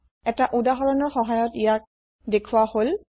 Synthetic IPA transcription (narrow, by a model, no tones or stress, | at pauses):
ɛtaʔudaɦɔɹɔnɔɹxɔɦajɔtijak̚ | dekʰuwahol